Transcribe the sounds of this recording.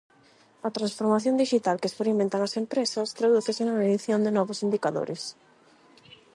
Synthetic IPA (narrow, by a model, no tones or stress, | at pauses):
ɐt̪ɾansfoɾmaθjõnd̪iʃit̪alkɪespeɾimẽnt̪aŋɐsempɾesɐst̪ɾaðuθɪsɪnameðiθjond̪ɪnɔβʊsind̪ikaðo̰ɾɪs